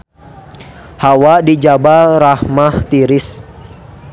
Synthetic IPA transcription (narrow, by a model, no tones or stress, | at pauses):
hawadid͡ʒabaɾahmaht̪iɾɪs